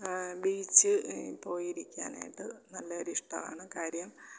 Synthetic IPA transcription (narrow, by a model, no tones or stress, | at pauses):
biːt͡ɕːɨpo̞ːjiɾikʲːa̰ːna̰ːjiʈːɨnɐlːɐoɾiʂʈɐma̰ːɳɨkaːɾjɐm